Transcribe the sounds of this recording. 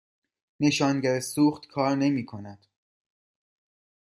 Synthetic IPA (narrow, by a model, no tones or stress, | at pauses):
ne̞ʃɒːnɟæɾesuːχt̪kʰɒːɾne̞miːkʰo̞næd̪̥